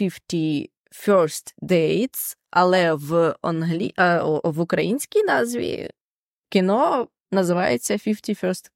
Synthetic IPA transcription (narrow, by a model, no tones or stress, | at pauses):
fʲiftʲi | fʲɔɾst̪d̪ɛjt̪sɐlˠɛʋɔnɦlʲḭʔʋʊkɾɐjinʲsʲkʲijnɑzʋʲḭ | kɪnɔ | nɐzɪʋɑjḛt͡sʲːɐfʲiftʲifʲɔɾst̪